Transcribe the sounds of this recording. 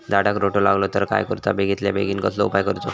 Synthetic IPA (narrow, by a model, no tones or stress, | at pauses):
d̪aɽakɾoʈolaɡlot̪əɾka̰jkəɾut̪abeɡit̪lja̰beɡiːnkəsloupajkəɾut̪o